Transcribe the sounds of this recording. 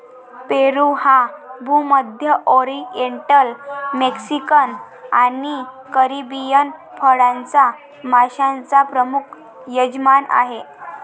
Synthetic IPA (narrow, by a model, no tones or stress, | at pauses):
peɾuhabʱuməd̪ʱjəʔoɾieɳʈəlmeksikən | ani | kəɾibijənpʰəɽãnt͡sa | mʱaɕãnt͡sapɾəmukʰ | jəd͡ʑmana̰ɦe